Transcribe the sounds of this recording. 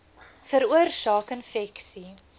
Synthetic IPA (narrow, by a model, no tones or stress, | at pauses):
fəɾuərsɑːkənfɛksi